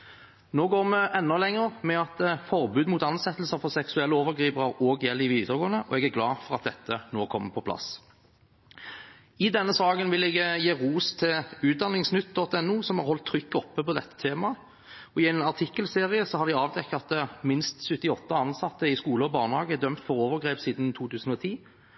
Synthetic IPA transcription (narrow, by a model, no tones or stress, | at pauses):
noːɡoːʁməʔɛnːɔlɛŋːəʁmɛɑt̪fɔʁbʉːd̪muːt̪ɑnsɛt̪əl̩səfɔʁsɛksʉɛlːəoːʋəʁɡʁiːpəʁəʁoːɡjɛlːɪʋiːd̪əʁɡoːnəʔɔ̰ɛɡæɡlɑːfɔʁɑt̪̚d̪ɛt̪ʰːənoːkʰɔmːəpʰɔpʰlɑ̰s | ɪd̪ɛnːəsɑːɡənʋɪlɛɡjeːʁuːst̪ʰɪlʉːt̪̚d̪ɑnɪŋsnʏt̪ːd̪ɔt̪ːɛnːuːsɔmhɑʁhɔlt̪ʰːɾʏkːɔpːəpɔd̪ɛt̪ːə̥t̪ʰeːmɑ | ɔɪɛɪnɑʁt̪ʰɪkːəlseːʁɪəsɔhɑɾd̪ɪɑːʋd̪ɛkːɑt̪əmɪnst̪sʉt̪ːɪɔt̪ːəɑnsɑt̪ːəɪskuːləɔbɑːʁɳəhɑːɡəd̪œmt̪fɔɾoːʋəʁɡʁeːpsiːd̪n̩t̪ʰuːt̪ʰʉːsən̩ɔt̪ʰiː